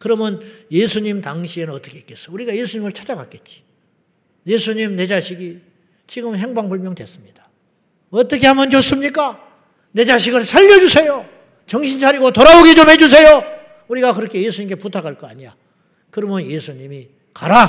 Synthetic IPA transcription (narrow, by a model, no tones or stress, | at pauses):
kɯɾʌmjʌnjesʰuɲimtaŋɕʰienɯnʌt͈ʌkʰeik͈e̞s͈ʌ̥uɾiɡaje̞sʰuɲimɯɭt͡ɕʰad͡ʑaɡak͈e̞t̚t͡ɕ͈i̥ | je̞sʰuɲimne̞d͡ʑaɕʰiɡi | t͡ɕiɡɯmɦeŋbaŋbuɭmjʌŋdwe̞s͈ɯmɲid̥ḁ | ʌt͈ʌkʰe̞hamʌnt͡ɕos͈ɯmɲik͈a | ne̞d͡ʑaɕʰiɡɯɭsʰaʎːʌd͡ʑusʰe̞jo | t͡ɕʌŋɕʰinsʰaɾiɡotoɾaoɡet͡ɕomɦe̞d͡ʑus̬ʰe̞jo | uɾiɡakɯɾʌkʰe̞je̞s̬ʰuɲimk̬͈e̞putʰakʰaɭk͈ʌaɲija̰ | kɯɾʌmjʌnje̞sʰuɲimi | kaɾa